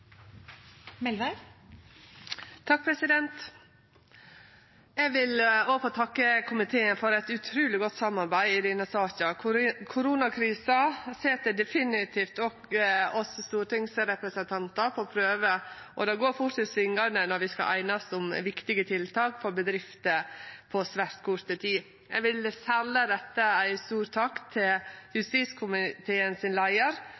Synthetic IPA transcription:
mɛlʋæ | t̪ʰɑk̚pʰɾɛsɪd̪ɛnt̪ | ɛɡʋɪloːfoːt̪ʰɑkːəkʰʊmɪt̪ʰeːənfɔɾɛt̪ʉt̪ʰɾʉːlɪɡɔt̪ːsɑmːɑɾbæɪɪd̪iːnəsɑːçɑkʰʊɾuːnɑkʰɾiːsɑseːt̪̚d̪ɛd̪ɛfɪnɪt̪ʰiːft̪ɔkɔsst̪uːɾʈɪŋsɾɛpɾəsənt̪ʰɑnt̪ɑɾpʰɔpʰɾøːʋəʔɔd̪ɑɡoːɾfʊʈsɪt̪sʋɪŋːɑɳənɔɾʋɪskɑ̰ʔæ̰ɪnɑsɔmʋɪkt̪ɪɡət̪ʰɪlt̪ʰɑːkfɔɾbəd̪ɾɪft̪əpʰɔsʋæɾt̪kʰʊɾt̪ət̪ʰiː | jɛʋɪlsɛlːəɾɛt̪ːəæɪst̪uːɾt̪ʰɑːkt̪ʰɪljʉst̪iːskʰʊmɪt̪ʰeːənsɪnlæɪəɾ

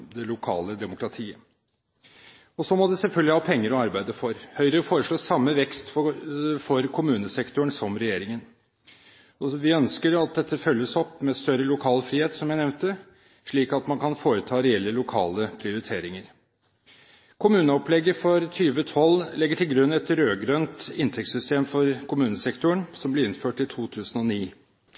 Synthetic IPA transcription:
d̪ɛlʊkʰɑ̰ːləd̪ɛmʊkɾɑt̪ʰiːə | ɔsɔmɔd̪ɛsɛlfœlɡ̪lɪhɑːpʰɛŋːəɾɔɑɾbæɪd̪əfɔɾhœʏɾəɾəfoːɾəʂɭoːsɑmːəʋɛkst̪ffɔɾkʰʊmʉːnəsɛkt̪ʊəɳsɔmɾɛjeːɾɪŋən | ɔʋɪœnskəɾɑt̪̚d̪ɛt̪ʰːəfœlːəsɔpːmɛst̪œɾəlʊkʰɑːlfɾiːheːt̪sɔmjæɪnɛʋnt̪ə | ʂɭiːkɑt̪mɑnkʰɑnfoːɾət̪ʰɑːɾɛɛlːəlʊkʰɑ̰ːləpʰɾɪʊɾɪt̪ʰeːɾɪŋəɾ | kʰʊmʉːnəɔplɛɡːəfɔɾt̪ʰyːʋət̪ʰɔlːlɛɡːəʈʰɪlɡɾʉnːɛt̪ɾøːɡɾœnt̪ɪnt̪ʰɛksʏst̪eːmfɔɾkʰʊmʉːnəsɛkt̪ʊəɳsɔmblɪɾɪnføːʈɪt̪ʰuːt̪ʰʉːsənɔniː

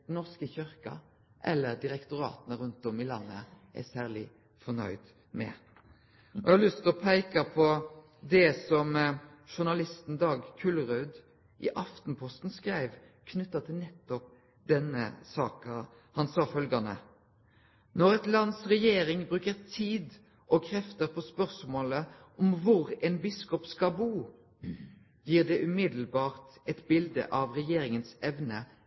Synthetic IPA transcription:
d̪nɔʁskəçʏɾkɑ̰ | ʔɛlːəɾd̪ɪɾɛkt̪ʊɾɑ̰ːt̪nəɾʉnt̪ɔmɪlɑ̰nːə̰ʔæ̰sæːʁlɪ | fɔnœ̰ʏd̪ | mɛ̰ | ɔhɑlʏst̪ɔpʰæɪkɑpʰɔ | d̪ɛsɔmʃʊnɑlɪst̪n̩d̪ɑːɡkʰʉlʁʉːd̪ | ʔɪ̰ʔɑft̪npʰɔst̪n̩skɾæɪʋkʰnʉt̪ːɑt̪ʰɪlnɛt̪ːɔp̚ | d̪ɛnə̰sɑːkə | hɑnsɑːfœlɡɑnə̰ | nɔʁɛt̪lɑnsʁɛjeːɾɪŋbɾʉːkəʁt̪ʰiːd̪ | ʔɔkʰʁɛft̪əʁpʰɔːspœʁsmoːləʔɔmʋʊɾɛɪnbɪskɔpskɑbuː | jiːʁd̪ɛʔʉmɪd̪l̩bɑːʁt̪ɛt̪bɪld̪ə̰ʔɑʋʁɛjeːɾɪŋənsɛʋnə

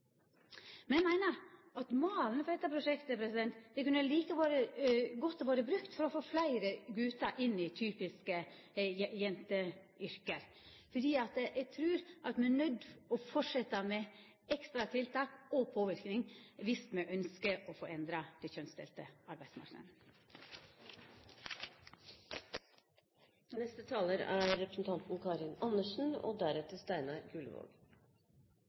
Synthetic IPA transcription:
mɛnjɛmæɪnəɾʔɑt̪moːlnəfɔɖɛt̪ːəpʰɾʊʂɛkt̪əpʰɾɛsɪd̪ɛnt̪d̪ɛkʉnəliːkəʋoːɾəɡɔt̪ːɔʋoːɾəbɾʉkt̪fɔɾɔfoːflæɪɾəɡʉːt̪ɑʔɪnːɪt̪ʰyːpɪskə | jɛnt̪ə | ʏɾkəɾ | fɔɖiːɑt̪ʔɛɡt̪ʰɾʉːɾʔɑt̪mɛnɛnœd̪ɔfɔʂɛt̪ːɑmɛ | ɛkst̪ɾɑt̪ʰɪlt̪ɑːkɔpʰoːʋɪɾknɪŋʋɪst̪mɛʔœnskəʔɔfoːɛnd̪ɾɑd̪ɛçœnst̪ɛ̰lt̪əɑɾbæɪd̪smɑ̰ɾknə̰d̪n | nɛst̪ət̪ʰɑːləɾæːɾɾɛpɾəsn̩t̪ʰɑnt̪n̩kʰɑːɾɪnɑnəʂn̩o̰ːd̪æɾɛt̪əst̪æɪnɑɾɡʉlʋo̰ːɡ

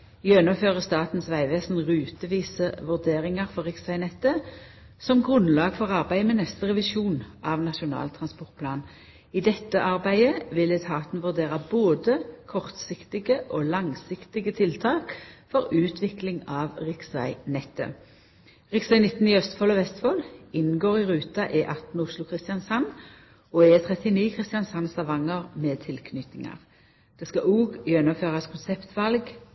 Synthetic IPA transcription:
jœnɔføːʁəst̪ɑːt̪n̩sʋæɪʋeːsnʁʉːt̪əʋiːsəʋʉʁd̪eːʁɪŋɑʁfɔʁɪksʋæɪnɛt̪ːə | sɔmɡʁʉnlɑːɡ̥fɔʁɑʁbæɪmɛnɛst̪əʁɛʋɪʃuːnʔɑʋnɑʃʊnɑ̰ːlt̪ʰʁɑnspɔʁt̪̚pʰlɑːn | ɪd̪ɛt̪ːəʔɑʁbæɪəʋɪlɛt̪ʰɑːt̪nʋʉʁd̪eːʁɑboːd̪əkʰɔʁt̪sɪkt̪ɪɡəʔoːlɑŋsɪkt̪ɪɡət̪ʰɪlt̪ʰɑːkfɔʁʉːt̪ʰʋɪklɪŋɑːʋʁɪksʋæ̰ɪnɛt̪ːə̰ | ʁɪksæɪnɪt̪ːn̩ɪœst̪fɔlɔʋɛst̪fɔlɪnn̩ɡoːʁɪʁʉːt̪ɑʔɛʔɑt̪n̩ʊslʊkʰʁɪst̪ɪɑnsɑn | ɔɛt̪ʰʁɛt̪ɪniːkʰʁɪst̪ɪjɑnsɑnslɑʋɑŋəʁmɛːt̪ʰɪlkʰnʏt̪ɪŋɑ̰ʁ | d̪̥eːskɑʔuːɡjœnəføːʁɑskʰʊnsɛpt̪ʰʋɑlɡ

